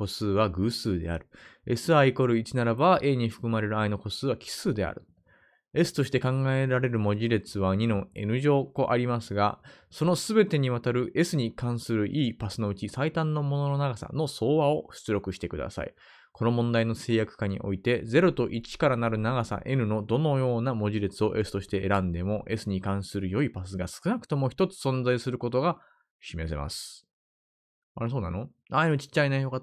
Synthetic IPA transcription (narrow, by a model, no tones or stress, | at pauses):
ko̞sɨːβaɡɯ̟ːsɨːd̪e̞a̰ɾɯ̟e̞sɨaiko̞ɾɯ̟it͡ɕinaɾabaʔe̞ːɲ̟iɸɯ̟̥kɯ̟maɾe̞ɾɯ̟aino̞ko̞sɨːβakʲi̥sɨːd̪e̞a̰ɾɯ̟ | e̞sɨ̥t̪o̞ɕi̥t̪e̞kãŋɡae̞ɾaɾe̞ɾɯ̟mo̞ʑiɾe̞t͡sɨβaɲ̟inõ̞e̞̰nɯ̟ʑo̞ːko̞ʔaɾʲimasɨɡa̰so̞no̞sɨbe̞t̪e̞ɲ̟iβat̪aɾɯ̟ʔe̞sɨɲ̟ikãɰ̃sɨɾɯ̟ʔiːpasɨno̞ɯ̟t͡ɕisait̪ãnːo̞mo̞no̞no̞naɡasa̰no̞so̞ːβao̞ɕɨ̥t͡sɨɾo̞kɯ̟ɕi̥t̪ekɯ̟d̪a̰sa̰ḭ | kʰo̞no̞mõ̞nd̪aino̞se̞ːjakɯ̟̥kaɲ̟ḭʔo̞̰it̪e̞d͡ze̞ɾo̞t̪o̞ʔit͡ɕi̥kaɾanaɾɯ̟naɡasa̰ʔe̞ɾɯ̟no̞d̪o̞no̞jo̞ːnamo̞ʑiɾet͡sɨo̞ʔe̞sɨ̥t̪o̞ɕi̥t̪e̞ʔːɾãnd̪e̞mo̞ʔe̞sɨɲ̟ikãɰ̃sɨɾɯ̟jo̞ipasɨɡasɨ̥kɯnakɯ̟̥t̪o̞mo̞çi̥t̪o̞t͡sɨ̥sõ̞nzaisɨɾɯ̟ko̞t̪o̞ɡa | ɕimes̬ema̰sɨ̥ | aɾes̬o̞ːna̰no̞ | aenot͡ɕi̥t͡ɕːainaioka